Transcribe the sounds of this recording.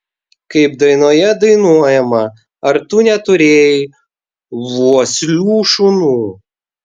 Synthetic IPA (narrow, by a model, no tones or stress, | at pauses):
kɐɪpd̪ɐɪnoːjɛd̪ɐɪnuɔjɛmɐ | ɐɾt̪ʊnʲɛt̪ʊɾʲeːjɪ | ʋuɔsʲlʲuːʃʊnuː